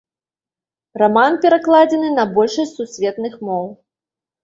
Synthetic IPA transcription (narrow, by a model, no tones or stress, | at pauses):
ramanpʲɛɾaklˠad͡zʲɛnɨnɐbɔlʲʂɐsʲsusʲvʲɛt̪nɨxmɔw